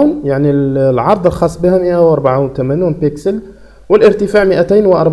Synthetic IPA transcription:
uːnjaʕnilʕɑɾˤd̪ˤəlxɑsˤːbihæməʔawʔɑɾˤbaʕunt̪æmænjuːnpɪksəl | wəlʔəɾt̪əfaʕməʔæt̪æːnwʔɑɾˤb

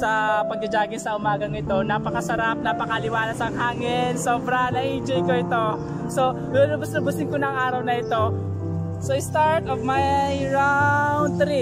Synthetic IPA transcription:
sɐpɐɡ̚d̪ɐd͡ʒaːɡɪnsɐʔʊmaːɡɐŋɪt̪o̞napɐkɐsɐɾap̚napɐkɐɐlɪwaːlɐsɐŋɦaːŋɪnso̞ːbɾɐnɐʔiːd͡ʒɐjkoʔɪt̪o̞ | so̞ | ɡʊlʊbʊsnɐbʊsɪnkonɐŋʔaːɾɐwnɐɪt̪o̞ | soɪst̪aɹt̪ovmajjɹand̪̚t̪ɾi

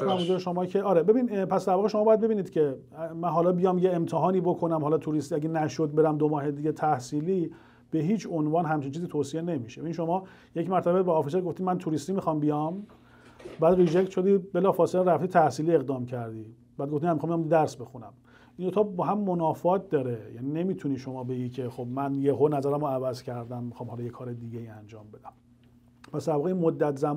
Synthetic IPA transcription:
skonæmozuɾeʃomɒːcʰeʔɒːɾebe̞binpʰæsd̪æɾvɒːɣeʃomɒbɒjæd̪̚be̞biːniːd̪̥cʰe̞ | mænɦɒːlɒːbijɒːmjeemt̪ʰeɦɒːniːbokʰonæmhɒːlɒt̪ʰuːɾist̪iæɟenæʃod̪̚beɾæmd̪omɒːɦed̪iɟet̪ʰæhsiːliː | b̥e̞ɦiːt͡ʃʰonvɒːnɦæmt͡ʃʰint͡ʃʰiziːt̪ʰoːsiene̞miʃeinʃo̞mɒː | je̞cmæɾt̪ʰæbebeːfis̬eɾɡoft̪imænt̪ʰuːɾist̪iːmixɒmbijɒm | bæːd̪rid͡ʒect̪ʃo̞d̪iːbelɒːfɒːseleɾæft̪iːt̪ʰæhsiːliːe̞ɣd̪ɒːmcʰæɾd̪iː | b̥æːd̪ɡoft̪imænmːixɑmiɑmd̪d̪æɾsbe̞xunæm | ʔind̪ot̪ʰɒːbɒːɦæmːonɒːfɒːt̪̚ʰd̪ɒːɾe̞jænine̞miːt̪ʰuniːʃomɒːbeɟiːcʰexo̞bmænjeɦonæzæɾæmɾoævæzcʰæɾd̪æmːixɒːmhɒːlɒːjekʰɒːɾed̪iɟejiːænd͡ʒɒːmbe̞d̪æm | pʰæsd̪æɾvɒːɣeinmod̪ːæt̪zæm

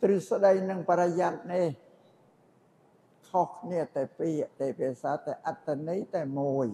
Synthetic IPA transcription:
t̪rɨsɗəjnɨŋpaɾajat̪̚nih | kʰohkʰniət̪aɛpiəʔt̪aːpɛəsaːt̪aɛʔat̪ːanijt̪aɛmuəj

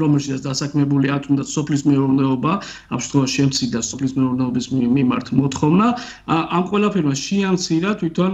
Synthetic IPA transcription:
ɾɔmɛlˠʃit̪ʰat̪sd̪asakʰmɛbuliat̪ʰumd̪at̪ʰsɔpʰlismɛuɾnɛɔba | a̰mʃɛ̥mt̪χwɔvaʃiɛmt̪sʰiɾd̪asɔpʰlismɛuɾnɛɔbismima̰ɾt̪ʰmɔt̪χɔvna | ʔːmqʼwɛlˠapʰɛɾmaʃiamt̪sʰiɾat̪ʰwit̪ʰɔn

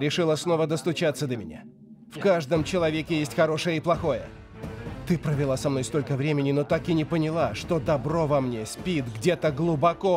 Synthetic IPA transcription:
ɾʲɪʂɨlˠəsno̞vəd̪əst̪ʊt͡ɕat̪sːəd̪əmʲɪnʲa̰ | fkaʐd̪əmt͡ɕɪlˠɐvʲekʲɪjesʲtʲxɐɾo̞ʂəjəɪplˠɐxo̞jə̰ | t̪ɨpɾəvʲɪlˠasɐmno̞jst̪o̞lʲkəvɾʲemʲɪnʲɪnot̪akɪnʲɪpənʲɪlˠaʂt̪od̪ɐbɾo̞vɐmnʲe̞sʲpʲit̪ɡdʲet̪əɡlˠʊbɐko

